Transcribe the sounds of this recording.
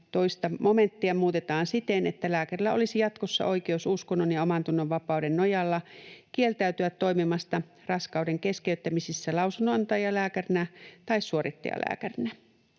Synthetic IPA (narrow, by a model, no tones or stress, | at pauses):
t̪o̞ist̪ɑmo̞me̞nt̪ːiɑmuːt̪et̪ɑːnsit̪enet̪ːælæːkærilːæo̞̰lisijɑt̪kosːɑ̰ʔo̞ikeususkonːonjɑomɑnt̪unːoʋʋɑpɑudenːojɑlːɑkielt̪æyt̪yʋæt̪ːo̞jmimɑst̪ɑ | rɑskɑuwdeŋke̞skeyt̪ːæmisisːælɑusunːoɑnt̪ɑjɑlæːkærinæt̪ɑissuoɾit̪ːɑ̰jɑ̰lʔæ̰ːkærinæ